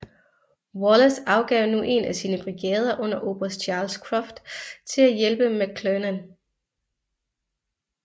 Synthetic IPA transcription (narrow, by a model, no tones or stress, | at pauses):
wɒləsɑ̈ʊɡ̥ɛʊnuʔe̝næsiːnəb̥ʁiɡ̥ɛ̰ːð̞ˠɐʔɔ̽n̰ɐʔo̝ːb̥ʁɐst͡ɕʰɑ̈ːlskʰʁɑfd̥t͡sʰe̝læjelb̥əmæɡ̚ʰlønən